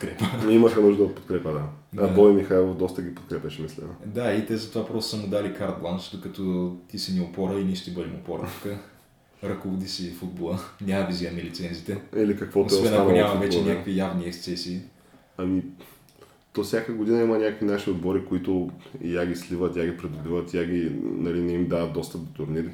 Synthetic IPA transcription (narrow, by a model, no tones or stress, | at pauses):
pot̪kɾɛpəiməxɐnuʒd̪əot̪̚po̥t̪̚kɾɛpəd̪a | aabɔimixajlˠod̪ɔst̪əɡʲipo̥t̪kɾɛpʲɛʃɛmislɛ̰nd̪ait̪ɛzɐt̪ovapɾɔst̪o̥səmʊd̪alikaɾt̪̚blˠansd̪okɐt̪ɔt̪isɛniopɔɾəiniʃt̪ʲibɤd̪imopɔɾə̰t̪u̥ka | ɾɐkovod̪isifud̪̚bolˠənʲamɐviziɐnɛlit̪sɛnzit̪ɛilikɐkvɔtoɛvɛnaɡ̪ʊɲʲaɐmvɛt͡ʃɛɲʲakəkvijavniɛkst̪sɛsiː | ɐmi | t̪ɔfsʲjakəɡod̪inɐimɐnʲakovinaʃiod̪bɔɾikoit̪ʊjaɡʲislivət̪ʲjaɡʲipɾɛd̪ʊbivət̪ʲjaɡʲinɐlinɛimd̪avəd̪ɔst̪əp̚d̪ot̪ʊɾniɾi